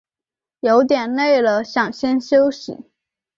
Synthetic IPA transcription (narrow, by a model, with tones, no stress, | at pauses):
jo˧˥ʊt̪jɛ˨˩nne˥˩ɪlə˩ɕjɑ˨˩ŋɕjɛ˥nɕjo˥ʊɕḭ˨˩˦